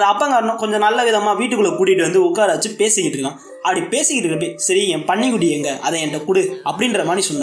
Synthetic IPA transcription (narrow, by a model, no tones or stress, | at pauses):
ðɐɐpːɐŋɡɐʋɐɾɐnʊ̃kɔɲd͡ʒɔ̃nɐlːɐʋɪðɐmaːʋiːʈ̬ːɯkːɯɭːɐkʊɽɪʈːɯʋɐnd̪ɯʊkːaːɾaːʋɐt͡ʃːɯpeːsɪkːɪʈːɾɯkːãː | ɐpːɐɽipeːsɪkːɪʈɾɯkːɐp̬eːsɐɾiɛ̃ːpɐɳːɪkʊɽɪjeːŋɡɐʔɐðɛ̃ɛnɐʈːɐkʊɽɯɐpːɐɽɪnrɾɐmaːnɾisɔnd̪ã